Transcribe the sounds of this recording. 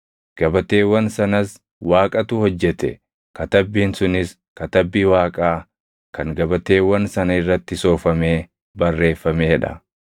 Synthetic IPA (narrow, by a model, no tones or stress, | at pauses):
ɡ̥ɐbɐt̪e̞ːwɐnsɐnɐs | waːkʼɐt̪ʊhɔd͡ʒːɛt̪ɛ̰ | kɐt̪ɐbːiːnsʊnɪs | kɐt̪ɐbːiːwaːkʼaː | kɐŋɡɐbɐt̪e̞ːwɐnsɐnɐɪrːɐt̪ːɪso̞ːfɐme̞ː | bɐrːe̞ːfːɐmeːᶑɐ̰